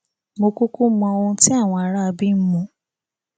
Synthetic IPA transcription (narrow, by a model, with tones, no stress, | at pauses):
mo˧ku˦ku˦mɔ̃˧o˧˦ti˦a˦˨w̃ɔ̃˧a˧ɾa˦a˧bi˦m̩˦mũ˧˦